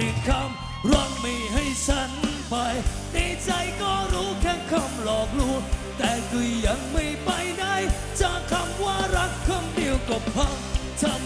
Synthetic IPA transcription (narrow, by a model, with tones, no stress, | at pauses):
i˨˩kʰa˧m | ɾa˧˩n̚ma˧˩jɦa˧˩jt͡ɕʰa˦˥n | pa˧j | na˧˩t͡ɕa˧jkɔː˧˩ɾuː˦˥kʰɛː˧˥nkʰa˧˩mlɔː˨˩k̚lu˧˩ət̪ɛː˨˩kɯ˨˧˩jːa˨˧˩ŋma˧˩jpa˧˩jna˧˥˩j | t͡ɕa˧˩kʰa˧mwaː˧˩ɾa˦˥k̚kʰɔ˧nɗi˨˧əwko˨˩p̚ha˧˥m | t͡ɕa˧˩